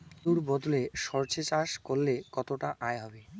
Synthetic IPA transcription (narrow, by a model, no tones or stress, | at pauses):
d̪̥uɾbɔd̪oleʃɔɾt͡ɕet͡ɕaʃkolːekɔt̪oʈaʔaeɦɔbe